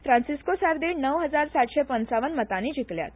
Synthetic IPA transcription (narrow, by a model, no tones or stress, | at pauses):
fɾãnsiskosaɾd̪eɳnəʋɦəd͡zaɾsaʈ̪ɕepənt͡saʋənmət̪anid͡ʑiklja̰t̪